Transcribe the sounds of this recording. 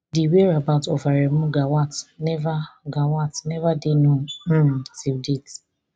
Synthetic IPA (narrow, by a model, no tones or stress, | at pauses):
diweɹabaʊtɔfaɾem̩ɡawatnɛvaɡawatnɛvadeno | sib̚dit